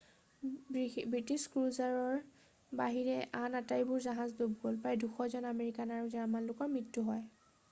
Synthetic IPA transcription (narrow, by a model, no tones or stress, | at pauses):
bɹitiskɹuzaɹɔɹ | baɦiɹɛʔanatajbʊɹzaɦazlobɡolpɹajduxʰɔzɔnameɹikanaɹuzaɹmanlʊkɔmɹitːuɦɔj